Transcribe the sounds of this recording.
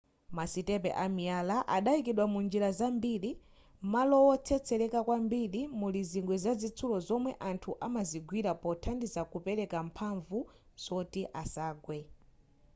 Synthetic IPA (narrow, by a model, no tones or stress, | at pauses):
masitɛpɛ̰ʔamialaʔaɗaikiɗwamund͡ʒiɾazambili | malɔwɔt͡sʰɛt͡sʰɛɾɛkakwambilimuliziŋɡwɛzazit͡sʰulɔzɔmwɛʔantʰuʔamaziɡwiɾapɔtʰandizakupɛɾɛkam̩pʰaɱvu | z̥ɔtiʔasaːɡwɛ